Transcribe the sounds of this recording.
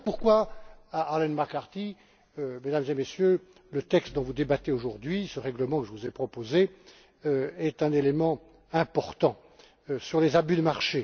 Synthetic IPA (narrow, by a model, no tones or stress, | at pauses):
puʁkwaaːʁlɛnmaʁkaʁt̪i | ømed̪amzemesjø | lət̪ɛkst̪̚d̪ɔ̃vud̪ebat̪eoʒuʁd̪ɥisəʁɛɡləmɑ̃kəʒəvuzepχɔpoze | ɛt̪ɛ̃nelemɑ̃ | ɛ̃pɔʁt̪ɑ̃ | syʁlezabyd̪əmaʁʃe